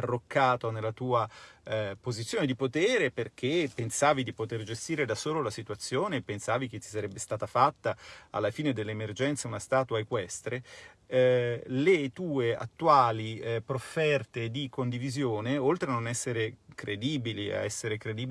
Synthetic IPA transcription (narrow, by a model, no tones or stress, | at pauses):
arːokːaːt̪onelːat̪uːa | pozit̪sːjoːned̪ipot̪ɛːɾeperk̟ʰepensaːvid̪ipot̪erd͡ʒest̪iːɾed̪asoːlolasit̪uat̪sːjoːnepːensaːvik̟et̪ːi̥saɾɛbːest̪aːt̪afat̪ːaa̰lːafiːned̪elːeːmerd͡ʒɛnt̪seunast̪aːt̪uaekwɛst̪ɾe | let̪uːea̰t̪ːuaːlipɾofːɛrt̪ed̪ikond̪ivizjoːneolt̪ɾeanonɛsːeɾekɾʔed̪iːbilia̰ɛsːeɾekɾed̪iːb